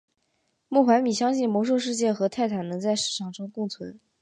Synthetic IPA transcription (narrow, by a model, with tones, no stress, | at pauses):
mu˥˩xwa˧˥nmi˨˩ɕjɑ˥ŋɕi˥˩nmwɔ˧˥ʂ̬u˥˧ʂ̬ɻ̩˥˧t͡ɕjɛ˥˩xɤ˧˥t̪ʰa˥˩ɪt̪ʰa˨˩nnɤ˧˥t͡sa˥˧ɪʂɻ̩˨˩ʂʰɑ˥˩ŋʈ͡ʂʰɤ˥ŋkʊ˥˩ŋt͡sʰwə˧˥n